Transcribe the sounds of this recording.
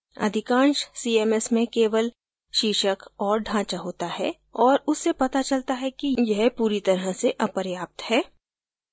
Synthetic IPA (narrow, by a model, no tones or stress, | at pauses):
ɐ̰d̪ʱɪkãːnʃsiːeːmɛsmẽkeːʋəl | ʃiːʃəkɔːɾɖʱãːt͡ʃaɦoːt̪aɦɛ̰ː | ɔːɾʊsːepɐt̪at͡ʃɐlt̪aɦɛkijɛɦpuːɾit̪ɐɾəseʔɐpəɾjaːp̚t̪hɛː